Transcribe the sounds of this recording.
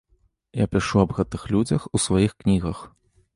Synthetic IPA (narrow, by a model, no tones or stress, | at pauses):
ja̰pʲiʂuɐbɣɛt̪ɨxlʲud͡zʲɐxusvajixknʲiɣɐx